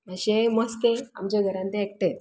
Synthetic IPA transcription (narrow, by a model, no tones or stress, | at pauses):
əɕẽmɔskẽa̰md͡ʑeɡʱəɾãnt̪ẽɛk̚ʈet̪